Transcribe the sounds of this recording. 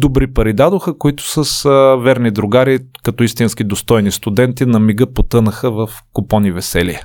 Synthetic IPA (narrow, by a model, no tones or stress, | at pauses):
d̪obɾipɐɾid̪ad̪oxəkʊit̪ʊ̥sɐsvɛɾnid̪ɾʊɡaɾikɐt̪ɔist̪inskid̪ost̪ɔjnist̪ʊd̪ɛnt̪inɐmiɡəpot̪ɤnəxəvɐfkʊpɔnivɛsɛliə